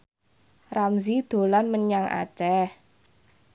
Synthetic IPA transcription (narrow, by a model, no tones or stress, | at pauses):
ramzid̪̥o̤lanməɲaŋʔa̰t͡ʃɛh